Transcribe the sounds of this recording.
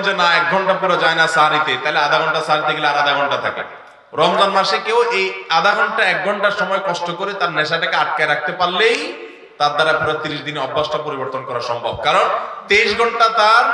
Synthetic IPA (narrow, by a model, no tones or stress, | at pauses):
d͡ʑonaɛk̚ɡʱɔɳʈapuɾad͡ʑaenasaɦaɾit̪et̪aɦelead̪ʱaɡʱɔɳʈasaɦaɾit̪eɡeleaɾad̪ʱaɡʱɔɳʈat̪ʰa̰kḛ | ɾɔmd̪anmaʃekewʔejad̪ʱaɡʱɔɳʈaɛk̚ɡʱɔɳʈaɾʃɔmɔekɔʃʈokoɾet̪aɾnɛʃaʈakeaʈ̚kaeɾak̚ʰt̪epaɾlej | t̪aɾd̪aɾapɔɾat̪iɾiʃd̪ineɾɔbːaʃʈapoɾiboɾt̪onkɔɾaɾʃɔmbʱɔb̚kaɾont̪eiʃɡʱɔɳʈat̪aɾ